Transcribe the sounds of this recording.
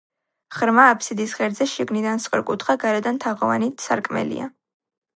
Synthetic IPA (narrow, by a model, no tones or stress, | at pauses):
χɾmaːpʰsid̪isʁɛɾd̪zɛʃiɡnid̪ansqʼɛ̰ɾkʼut̪χaɡaɾɛd̪ant̪ʰaʁɔva̰nit̪ʰsaɾkʼmɛ̰lḭa̰